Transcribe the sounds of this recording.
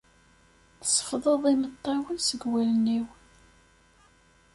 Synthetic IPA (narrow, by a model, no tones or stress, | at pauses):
θə̥sˤə̥fðˤəðˤimət̪ˤːɑwənsəɡwælənːiw